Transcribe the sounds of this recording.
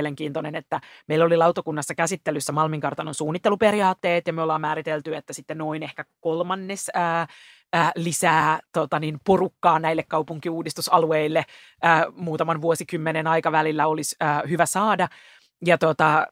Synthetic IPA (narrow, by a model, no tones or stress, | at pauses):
eleŋkiːnt̪onenet̪ːæmeilolilɑuwt̪okunːɑsːɑkæsit̪ːelysːæmɑlmiŋkɑrt̪ɑnonsuːnːit̪ːeluperijɑːt̪ːeːt̪jɑmyolːɑːmmæːɾit̪elt̪yet̪ːæsit̪ːenoinehkækolmɑnːesəː | lisæːt̪ot̪ɑninporukːɑːnæilːekkɑupuŋkiuːdist̪usɑlueilːeː | muːt̪ɑmɑnʋuosikymːenenɑjkɑʋælilːæolisəːhyʋæsɑːdɑ | jɑt̪ot̪ɑ